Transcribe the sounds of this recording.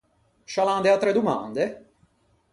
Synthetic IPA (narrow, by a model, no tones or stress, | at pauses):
ʃaland̪eat̪ːɾɛd̪uma̰nd̪e